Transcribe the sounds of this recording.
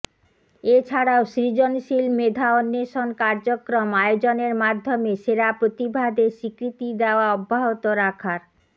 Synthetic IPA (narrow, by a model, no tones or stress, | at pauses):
et͡ɕʰaɽaoʃɾid͡ʑonʃilmed̪ʱaonːeʃonkaɾd͡ʑokɾomajod͡ʑoneɾmad̪ʱːomeʃeɾapɾot̪ibʱad̪eʃikɾit̪id̪eoaɔbʱːaɦot̪oɾakʰaɾ